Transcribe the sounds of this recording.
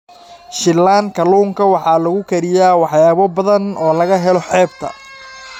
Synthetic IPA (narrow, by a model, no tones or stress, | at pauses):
ʃɪlaːŋkʰɐluːŋkʰɐwɑħɑːlɐɣʊkʰɐɾɪjaːwɑħjaːβɔbɐðɐnɔːlɐɣɐɦɛlɔħɛːb̚t̪ʰɐ̰